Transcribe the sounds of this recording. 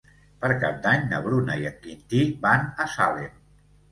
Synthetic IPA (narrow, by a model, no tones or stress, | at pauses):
pəɾka̰p̚d̪aɲnəβɾunəiət̪kint̪ibanəsale